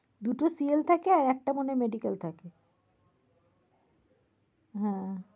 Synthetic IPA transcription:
d̪uʈosielt̪ʰakeaɾɛk̚ʈamonemeɖikalt̪ʰake | ɦɛ̃

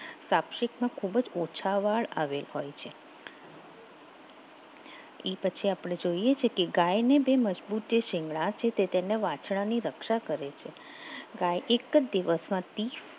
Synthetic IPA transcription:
sapʃɪkmãkʰubəd͡ʒot͡ʃʰaʋaɭa̰ʋelɦojt͡ʃʰe | epət͡ʃʰiapɽ̃ed͡ʒoiet͡ʃʰekeɡajnebeməd͡ʒbut̪̚d͡ʒeʃɪ̃ŋɡɭãt͡ʃʰet̪et̪eneʋãt͡ʃɽãniɾəkʃakəɾet͡ʃʰe | ɡajʔekəd̪iʋəsmãt̪is

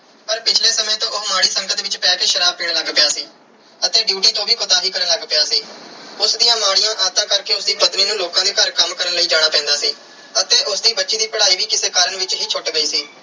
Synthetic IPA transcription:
pəɾpɪt͡ʃʰleːsəmẽːt̪õːoːmaːɽiːsəŋɡət̪ʋɪt͡ʃpɛːkeːʃəɾaːb̚piːɳləɡpɪjaːsiː | ət̪eːɖjuːʈiːt̪õːʋiːkoːt̪aːɦiːkəɾənləɡpɪjaːsiːʊsd̪iːãːmaːɽɪjãːʔaːt̪ãːkəɾkeːʊsd̪iːpət̪niːnũːloːkãːd̪eːkʰəɾkəmkəɾənləiːd͡ʒaːɽ̃aːpɛ̃ːnd̪aːsiː | ət̪eːʔʊsd̪iːbətːʃiːd̪iːpəɽaːiːʋiːkɪseːkaːɾəɳʋɪt͡ʃɦiːt͡ʃʰʊʈɡəiːsiː

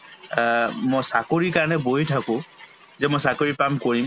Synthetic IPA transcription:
mojsakoɹiɹkaɹɔnɛboɦitʰakʊ̃ | zɛmojsakoɹipamkoɹim

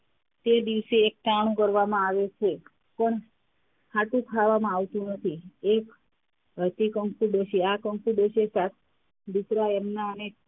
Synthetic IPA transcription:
t̪ed̪iʋseːk̚t̪aɽ̃ũkəɾʋamãaʋet͡ʃʰe | pəɳ | haʈ̪ũkʰaʋamãaʋt̪ũnət̪ʰiek | ɦət̪ikəŋkuɖəʃʰeakəŋkuɖət͡ʃʰesat̪̚ | d̪usɾaɛmnaəne

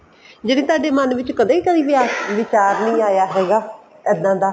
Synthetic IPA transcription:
d͡ʒenĩːt̪aːɖeːmənʋɪt͡ʃkəd̪eːikəd̪iːʋɪaːsʋɪt͡ʃaːɾnĩːaːjaːɦɛːɡaː | ɛd̪ãːd̪aː

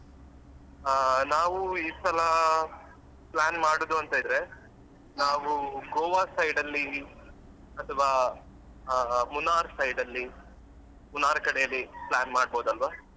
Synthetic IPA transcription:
naːʋuiːsɐlɐ | plaːnmaːɽod̪uɐnt̪ɐid̪ɾe | naːʋuɡoːʋaːsɐjɖɐlːi | ɐt̪ʰɐʋaː | munaːɾsɐjɖɐlːi | munaːɾɐkɐɽɛjɐlːiplaːnmaːɽ̚boːd̪uɐlʋaː

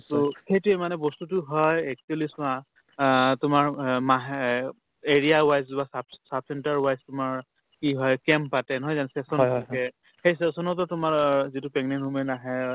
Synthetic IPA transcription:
sɔxejtuemanɛbɔstutʊɦɔjek̚tielisʊ̃ã | tʊmaɹmaɦ | eɹijawajzbasabsab̚sɛntaɹwajstʊmaɹ | kiɦɔjkɛmpatɛnɔɦɔjzansɛsɔnɛ | xejsɛsɔnɔtɔtʊmaɹzitupɛŋnɛnɦumɛnaɦɛ

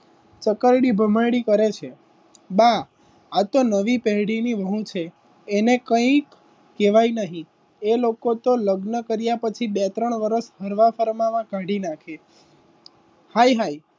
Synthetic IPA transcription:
t͡ʃəkəɾɽibʱəməjɽikəɾet͡ʃʰe | ba | at̪onəʋipɛɦɽiniʋəɦũt͡ʃʰeː | nekə̃ĩkː | eʋajnəɦĩ | elokot̪oləɡnəkəɾjapət͡ʃʰibet̪ɾəɳʋəɾəʃɦəɾʋafəɾmaʋãkãɽinakʰe | hajɦai

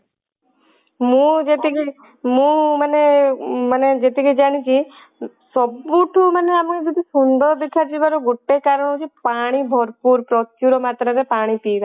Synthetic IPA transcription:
mũd͡ʒet̪ike | mũməneməned͡ʒet̪iked͡ʒaɽ̃it͡ʃʰi | sɔbuʈʰuməneamked͡ʒɔd̪isund̪ʱɔd̪ekʰat͡ʃʰibaɾoɡoʈːekaɾɔɽ̃ɦot͡ʃʰipaɽ̃ibʱɔɾpuɾpɾɔkjuɾɔmaːt̪ɾaɾepaːɽ̃ipiːd̪a

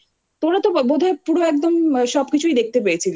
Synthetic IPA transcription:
t̪omɽat̪obod̪ʱaepuɽoɛk̚d̪omʃɔbkit͡ɕʰuid̪ek̚ʰt̪ep̬eet͡ɕʰil

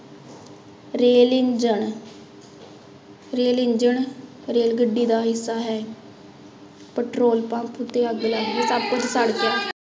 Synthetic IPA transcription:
ɾeːlɪd͡ʒəɳ | ɾeːlɪɲd͡ʒəɳ | ɾeːlɡəɖiːd̪aːɦɪsːaːɦɛː | pəʈɾoːlpãːpʰt̪eːəɡlaːɡeːsəb̚kʊt͡ʃsəɽkɛː

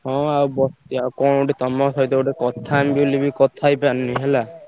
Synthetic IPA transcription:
hɔ̃awbɔst̪iakɔ̃oɖet̪ɔmɔsɦɔjt̪eoɖekɔt̪ʰambulibikɔt̪ʰajpannĩɦela

